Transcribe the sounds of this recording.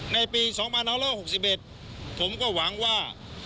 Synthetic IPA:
na˧jpiː˧sɔː˩˦ŋpʰa˧nːaː˦˥laː˥˩ho˨˩k̚si˨˩p̚ʔe˨˩t̪̚ | pʰo˩˦mkɔː˥˩wa˩˦ŋwaː˥˩

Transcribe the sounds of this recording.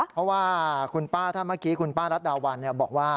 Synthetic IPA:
pʰɔ˦˥waː˥˩kʰu˧npaː˥˩t̪ʰaː˥˩maː˥˩kiː˦˥kʰu˧npaː˥˩ɾa˦˥t̪̚daː˧wa˧nːi˥˩ɐbɔ̰ː˨˩k̚waː˥˩

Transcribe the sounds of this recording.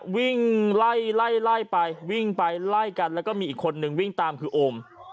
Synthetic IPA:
wi˥˩ŋla˥˩jla˥˩jla˥˩jpa˧jwi˥˩ŋpa˧jla˥˩jka˧nlɛː˦˥wkɔː˥˩miː˧ʔiː˨˩kʰːo˧nːɯ˧ŋwi˥˩ŋt̪aː˧mkʰɯː˧ʔoː˧m

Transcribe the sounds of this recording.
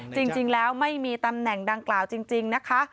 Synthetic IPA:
t͡ɕi˧ŋt͡ɕi˧ŋlɛː˦˥wma˥˩jmiː˧t̪a˧mnɛ˨˩ŋda˧ŋklaː˨˩wt͡ɕi˧ŋt͡ɕi˧ŋna˦˥kʰa˦˥ʔ

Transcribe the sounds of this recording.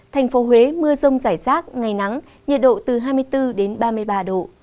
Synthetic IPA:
t̪ʰɛ˨˩jŋ̟fo˨˦ɦwe˨˦mɨ˧əzə˧wŋ͡mzaː˧˩jzaː˦˥t̚ŋa˨˩jna˨˦ŋ | ɲə˨˩t̚ɗo̰˧˨t̪ɨ˨˩ɦaː˧jmɨ˧əjt̪ɨ˧ɗe˨˦nɓaː˧mɨ˧əjɓaː˧ɗo̰˧˨

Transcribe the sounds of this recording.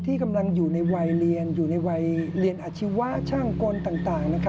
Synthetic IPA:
t̪ʰiː˥˩ka˧mla˧ŋjuː˨˩na˧jwa˧jli˧ənjuː˨˩na˧jwa˧jli˧ənʔaː˨˧˩t͡ɕʰi˦˥wa˦˥ʔt͡ɕʰaː˥˩ŋkoː˧nt̪aː˨˩ŋt̪aː˨˩ŋna˦˥kʰ

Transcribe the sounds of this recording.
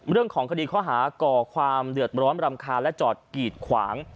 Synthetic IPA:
ɾɯ˥˩əŋkʰɔː˩˦ŋkʰa˧diː˧kʰɔː˦˥˩ɦaː˩˦kɔː˨˩kʰwaː˧mdɯ˨˩ət̪̚ɾɔː˦˥mɾa˧mkʰaː˧lɛ˦˥t͡ɕɔː˨˩t̪̚kiː˨˩t̪̚kʰwa̰ː˩˦ŋ

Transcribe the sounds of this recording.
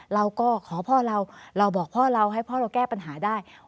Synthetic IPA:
ɾa˧wkɔː˥˩kʰɔː˩˦pʰɔː˥˩ɾa˧wɾa˧wbɔː˨˩k̚pʰɔː˥˩ɾa˧wɦa˥˩jpʰɔː˥˩ɾa˧wkɛː˥˩pa˧nɦaː˩˦daː˥˩j

